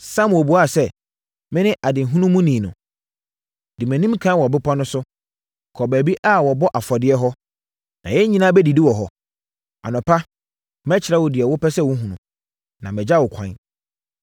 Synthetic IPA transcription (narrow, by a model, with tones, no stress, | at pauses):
sã˦m˨o˨bu˨a˦˨sɛ˦ | mɪ̃˦nɪ̃˦ʔa˨dɪ˨ɦũ˦nʊ̃˦mũ˦nĩ˨nʊ̃˨ | dɪ˨mɛ̃˨nĩ˦mkʰã˦wɔ˨bɪ˦pʰa˦nʊ̃˦sʊ˦ | kʰɔ˨bæ˨bi˦ʔa˦wɔ˨bɔ˦ʔa˨fɔ˨dɪ˦ɛ˦ɦɔ˦ | nã˨jɛ˦ɲĩ˦nãː˦bɛ˦di˨dɪ˦wɔ˨ɦɔ˨ | a̰˨nʊ̃˨pʰa˦ | mɛ̃˦t͡ɕʰɪ˨ɾɛ˦wʊ˨dɪ˨ɛ˨wʊ˦pɛ˦sɛ˦˨wʊ˦ɦũ˨nʊ̃˨ | nã˨mɛ̃˨d͡ʑa˦wʊ˨kʷʰã̰˨˦n